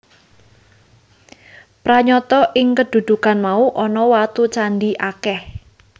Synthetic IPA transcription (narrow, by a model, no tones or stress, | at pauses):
pɾaɲɔt̪ɔʔɪŋkəd̪̥ṳd̪̥ukanmauʔɔnɔwat̪ut͡ʃanɖiʔakɛh